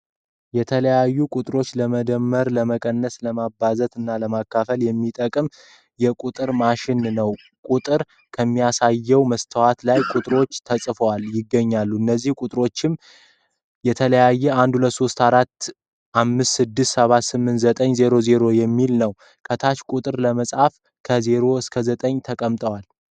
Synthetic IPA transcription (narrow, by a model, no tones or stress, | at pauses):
jɛt̪ʰələjajːukʼut̪ʼɨɾo̞t͡ʃːləməd̪əmːəɾləməkʼənːəsləmabːazət̪ɨnːaləmakːafəljɛmːit̪ʼəkʼɨm | jɛkʼut̪ʼɨɾmaʃɪnnəw | kʼut̪ʼɨɾ | kʰəmːijasajːɛwməst̪ʰəwat̪lajkʼut̪ʼɾo̞t͡ʃːt̪ʰəsʼfəwaljɪɡːəɲːalːuɨnːəzːihkʼut̪ʼɾo̞t͡ʃːɪm | jɛt̪ʰələjajːɛand̪hulət̪ːso̞st̪aɾat̪ː | ʔamːɨst̪sɨd̪ːɨst̪səβat̪sɨmːɨnt̪zət̪ʼəɲze̞ɾo̞ze̞ɾo̞jɛmːilnəw | kʰət̪ʰat͡ʃkʼut̪ʼɨɾləməsʼhaf | kʰəze̞ɾo̞ɨskʰəzət̪ʼəɲt̪ʰəkʼəmt̪ʼəwal